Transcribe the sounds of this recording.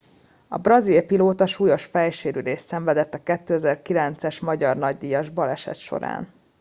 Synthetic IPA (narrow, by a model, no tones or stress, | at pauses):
ɒ̰brɒzilpiloːt̪ɒʃuːjo̞ʃfɛjʃeːɾyd̪eːʃsɛɱvɛd̪ɛt̪ːɒkɛt̪ːøːɛzɛrkilɛnt̪sɛʃmɒɟɒrnɒɟd̪ijɒʒbɒlɛʃɛ̰t̪ʃo̞̰ɾa̰ːn